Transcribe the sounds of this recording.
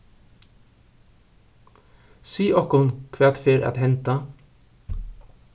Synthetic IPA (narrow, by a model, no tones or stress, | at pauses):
siːʔɔkʊnkʰʋæːt̪feːɾɑ̰ːt̪hɛnt̪ə